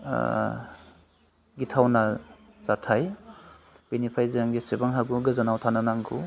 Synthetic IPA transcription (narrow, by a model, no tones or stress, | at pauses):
ɡitʰawna | z̥atʰaj | b̥enipʰajzaŋɡisebaŋɦaɡuɡɯzanawtʰananaŋɡṵ